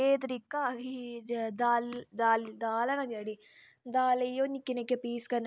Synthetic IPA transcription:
eːd̪ɾikːaɡid̪aːld̪aːlid̪aːlɐnɐɡaɽi | d̪aːlɐjonikːinekːepiːskɐn

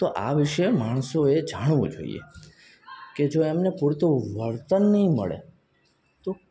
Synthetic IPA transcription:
t̪oʔaʋɪʃemaɳ̃soed͡ʒaɳ̃ʋṵ̃d͡ʒo̰ḭḛ | ked͡ʒoemnepuɾt̪ʰoʋəɾt̪ənːəɦĩmə̰ɭḛ | t̪o

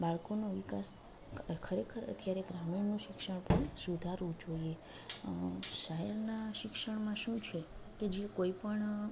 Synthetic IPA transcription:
baɭkonoʋikas | kʰəɾekʰəɾə̰t̪ʰjaɾeɡɾaminũʃɪkʃəɳ̃pəɳsud̪ʱaɾũt͡ʃoje | ʃəɦɛɾnaʃɪkʃəɳmãʃũt͡ʃʰeked͡ʒiekoipəɳ

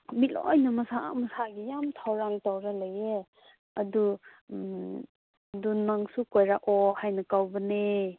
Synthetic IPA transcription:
milɔ̰jnɐmɐsamɐsaɡijamtʰawɾaŋtawɾalaje | ɐdu | dunaŋsukojɾaʔɔhajnɐkawbɐne

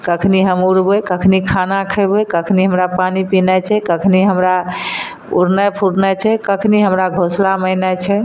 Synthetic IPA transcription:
kəkʰniɦəmuɾbəjkəkʰnikʰanakʰəɪbəkəkʰniɦəmɾapanipinɛt͡ʃʰɛkəkʰniɦəmɾa | ṵɾnəpʰuɽnɛt͡ʃʰɛkəkʰniɦəmɾaɡʱoslaməɦnət͡ʃʰɛ

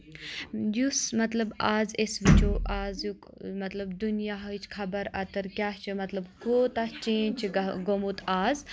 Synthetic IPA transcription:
jusmɐt̪lɐbaːzesʋit͡ʃoʔaːzjuk | mɐt̪lɐbd̪unijaɦɐt͡ʃʰkʰɐbɐɾɐt̪ɐɾkʲjaːt͡ʃʰimɐt̪lɐbkoːt̪ast͡ʃẽːnt͡ʃʰiɡomut̪ʰaːz

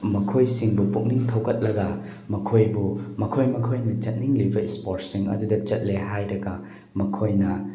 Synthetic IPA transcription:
mɐkʰojsiŋbupuk̚niŋtʰɐwkʰɐt̚lɐɡɐ | mɐkʰojbumɐkʰojmɐkʰojnɐt͡ʃɐt̚niŋlibɐispoɾtsiŋɐ̰dudɐt͡ʃɐt̚leɦajɾɐɡɐ | mɐkʰojnɐ

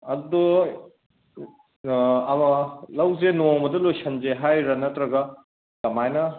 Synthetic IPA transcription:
ɐdd̪ɔ | ɐmɐlɐwzenomɐdɐlojsʰɐnzeɦajɾɐnɐtɾɐɡɐ | tɐmajnɐ

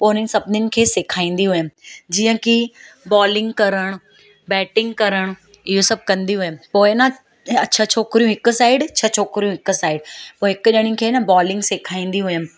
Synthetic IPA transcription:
poːnɪ̃ŋsɐbʱnɪnɪ̆kʰeːsɪkʰaːĩːn̆d̪iɦʊjəmd͡ʑiːə̃kibɔːlɪ̃ŋɡkɐɾəɽ̃ | bɛːʈɪ̃ŋɡkɐɾəɽ̃ | ɪɦosɐb̚ʱkɐ̃nd̪iɦʊjəmpoːɪnɐ | ɐt͡ɕʰɐt͡ɕʰoːkɾijũɦɪkʊ̆saːɪɖt͡ɕʰɐt͡ɕʰoːkɾijũɦɪksaːɪɖpoːɦɪkɗəɽ̃ĩkʰeːnɐbɔːlɪ̃ŋɡsekʰaːĩːn̆d̪iɦʊjəm

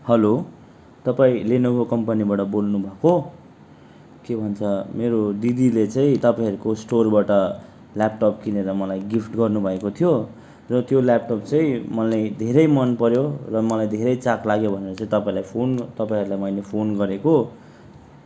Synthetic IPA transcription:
hʌlo | t̪ʌpaĩlenokokʌmpʌnibaʈʌbolnubʱʌko | kebʱʌnt͡sʰʌmeɾoɖid̪ilet͡sãĩt̪ʌpaĩʌɾukosʈorbaʈʌ | lap̚ʈʌp̚kineɾʌmʌlajɡipʰʈɡʌrnubʱʌekot̪ʰijo | rʌt̪jolap̚ʈʌp̚t͡sʌĩmʌlajd̪ʱeɾʌjmʌnpʌɾjorʌmʌlajd̪ʱeɾʌjt͡saklaɡjobʱʌneɾʌt͡saĩt̪ʌpaĩlajpʰont̪ʌpaĩʌɾulajmʌilepʰonɡʌɾeko

